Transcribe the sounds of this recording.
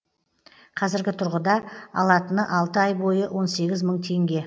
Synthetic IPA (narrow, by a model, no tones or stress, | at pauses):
qʰɑzɪɾɡʲɪt̪ʰʊɾʁəd̪ɑɑ̰lˠɑt̪ənəʔɑlˠt̪əɑjbo̞jəwʔo̞nse̞ɡʲɪzməɴt̪ʰe̞ŋɡʲe̞